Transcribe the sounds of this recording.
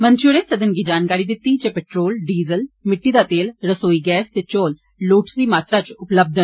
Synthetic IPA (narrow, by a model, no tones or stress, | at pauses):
mə̃nt̪ɾioɽẽsɐd̪ʱənɡiːd͡ʒaːnkaːɾid̪ɪt̪ːit͡ʃepeʈɾoːlɖiːzəlmɪʈːiːd̪at̪eːlɾəsoːiɡɛːst̪et͡ʃoːlː | oːʈsɾiːmaːt̪ɾat͡ʃʊpləb̚d̪ʱən